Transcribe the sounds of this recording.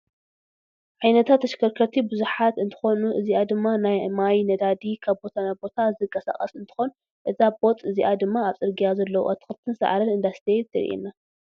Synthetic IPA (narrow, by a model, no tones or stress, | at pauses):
ʕajnɐt̪ʰat̪ːɐʃkʰɐɾkʰɐɾt̪ʰibɨzuħat̪ɨnt̪ʰɨ̥xonuʔɨziad̪ɨmːanajmajnɐd̪ad̪ikʰaβbo̞t̪ʰanajbo̞t̪ʰazɨkʼɐsa̰xʼɐ̰sɨnt̪ʰɨ̥xo̞nu | ʔɨzabo̞t̪ʼɨziʔad̪ɨmːaːβsʼɨɾɡijazɐlːɐwṵʔat̪ʰɨ̥xɨlt̪ʰɨnsɐ̰ʕaɾɐnɨnd̪ast̪ʰet̪ʰɐɾḭʔḭnːa